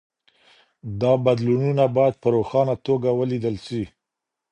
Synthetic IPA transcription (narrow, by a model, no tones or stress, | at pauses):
d̪ɑbad̪lununabɑjad̪̚pəɾoxɑnat̪oɡawəlid̪əlsi